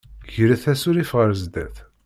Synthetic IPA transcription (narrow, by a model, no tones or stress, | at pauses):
ʝəɾæθæsʊɾifʁəɾzd̪æθ